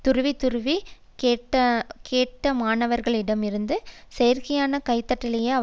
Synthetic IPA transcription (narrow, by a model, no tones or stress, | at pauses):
t̪ʊɾɯʋit̪ʊɾɯʋi | keːʈːɐkeːʈːɐmaːnɐʋɐɾɣɐɭɪɽɐmɪɾɯnd̪ɯsɛjɐɾkɐjaːnɐkɐɪt̪ːɐʈːɪlɐjeːɐ